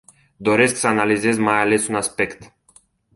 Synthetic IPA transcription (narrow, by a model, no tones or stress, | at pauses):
d̪o̞ɾe̞sksəanalize̞zmajale̞sunaspe̞kt̪